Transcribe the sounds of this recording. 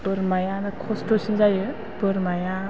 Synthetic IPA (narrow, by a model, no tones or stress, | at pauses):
bɯɾmajanɯkʰɔstɔsinzajɯ | bɯɾmaja